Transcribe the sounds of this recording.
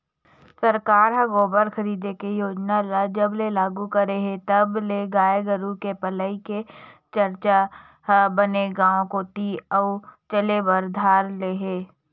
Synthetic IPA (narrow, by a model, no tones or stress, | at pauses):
sɐɾkaːɾɦɐɡoːbəɾxʰɐɾiːd̪ekejoːd͡ʒnalad͡ʒɐblelaːɡukɐɾeɦet̪ɐbleɡaːjeɡəɾukepələiket͡ʃɐɾt͡ʃa | ɦbəneɡãːõkot̪iɔːt͡ʃəlebɐɾd̪ʱaːɾleːɦeː